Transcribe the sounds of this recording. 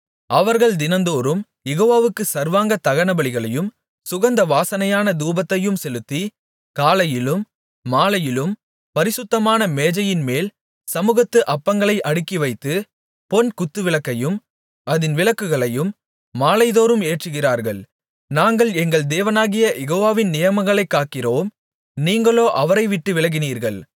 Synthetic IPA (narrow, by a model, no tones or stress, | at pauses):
ʔɐʋɐɾɣɐɭd̪ɪnɐnd̪oːɾɯm | jɛɣoːʋaːʋɯkːɯsɐɾʋaːŋɡɐt̪ɐɣɐɳɐbɐɭɪɣɐɭɐjɯm | sʊɣɐnd̪ɐʋaːsɐnɐjaːnɐd̪uːbɐt̪ːɐjɯmsɛlɯt̪ːi | kaːlɐjɪlɯmː | aːlɐjɪlɯm | pɐɾɪsʊt̪ːɐmaːnɐmeːd͡ʒɐjɪnmeːl | sɐmuːɣɐt̪ːɯʔɐpːɐŋɡɐɭɐɪʔɐɽɯkːiʋɐɪt̪ːɯ | pɔnkʊt̪ːɯʋɪɭɐkːɐjɯm | ʔɐðɪnʋɪɭɐkːɯɣɐɭɐjɯmː | aːlɐɪðoːɾɯmeːʈrɯɣɪraːɾɣɐɭ | naːŋɡɐɭɛŋɡɐɭd̪eːʋɐnaːɣɪjɐjɛɣoːʋaːʋɪnnɪjɐmɐŋɡɐɭɐɪkːaːʈkɪɾoːm | niːŋɡɐɭoːʔɐʋɐɾɐɪʋɪʈːɯʋɪɭɐɣɪniːɾɣɐɭ